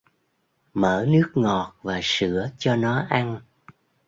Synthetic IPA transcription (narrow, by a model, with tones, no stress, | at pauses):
məː˧˩nɨ˦˥ək̚ŋɔ˨˩t̚vaː˨˩sɨ̰˧˩˨ət͡ɕɔ˧nɔ˨˦ʔa˧n